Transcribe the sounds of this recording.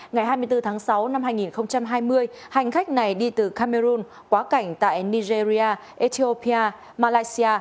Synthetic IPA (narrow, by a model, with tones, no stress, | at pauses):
ŋa˨˩jɦaː˧jmɨ˧əjt̪ɨ˧t̪ʰaː˨˦ŋsa˨˦wna˧mɦaː˧jŋi˨˩nxə˧wŋ͡mt͡ɕa˧mɦaː˧jmɨ˧əj | ha˨˩jŋ̟xa˦˥k̟̚na˨˩jɗi˧t̪ɨ˨˩kaː˧me˧ɾu˧n | kwaː˨˦ka˧˩jŋ̟t̪a̰ː˧˨jni˧ze˧zi˧ʔaː˧ʔi˧t̪ʰi˧o˧pʰi˧aː˧ | maː˧laː˧jsi˧aː˧